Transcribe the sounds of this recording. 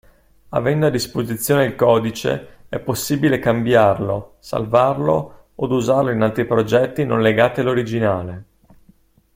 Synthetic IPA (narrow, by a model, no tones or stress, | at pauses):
a̰vɛnd̪oad̪ːispozit̪sːjoːneilkɔːd̪it͡ʃḛɛpːosːiːbilekambjarlosa̰lvarlo̰ | od̪uzarloinalt̪ɾipɾod͡ʒɛt̪ːinõ̰nleɡaːt̪ialːoɾid͡ʒinaːle